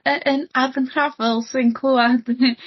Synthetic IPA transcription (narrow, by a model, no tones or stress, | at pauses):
əʔənarvəntʰr̥avəlˠsɪnkʰlˠuad̥